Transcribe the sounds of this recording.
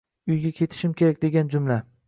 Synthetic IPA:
ʊjɡʲakʲʰe̞t̪ʰɪ̥ʃɪmkʲʰe̞ɾakʲd̪e̞ɡʲand͡ʒʊmla

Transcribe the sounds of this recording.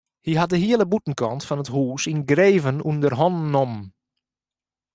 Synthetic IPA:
hiɦɑt̚dəɦiəlˠəbutn̩kɑntfɑnətɦuːsinɡreːvənundərɦɔnnɔm

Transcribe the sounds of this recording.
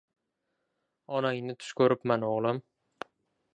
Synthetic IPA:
ɒnɑjnɪt̪ʰy̥ʃkʲʰɵɾɪpmanoʁlˠɑm

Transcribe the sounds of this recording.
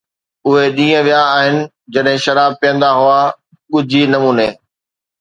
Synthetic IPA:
ʊɦeɗĩːə̃ʋijaːɦɪnɪ̆ | d͡ʑɐɗɦɪ̃ʃɐɾaːb̚pijə̃nd̪aɦʊa | ɠʊd͡ʑʱinɐmuːneː

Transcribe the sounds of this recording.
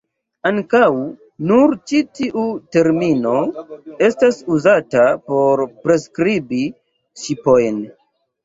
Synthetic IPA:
aŋkaw | nuɾt͡ʃitiʔute̞ɾmino̞e̞stasuzatapo̞ɾpɾe̞skɾibi | ʃipo̞jn

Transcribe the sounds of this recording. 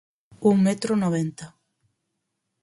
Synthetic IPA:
uŋmet̪ɾonoβent̪a

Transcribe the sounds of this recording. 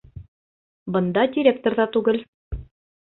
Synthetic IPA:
bɤ̆nd̪ɑdʲiɾʲek̚t̪ŏɾðɑt̪ʉɡɘl

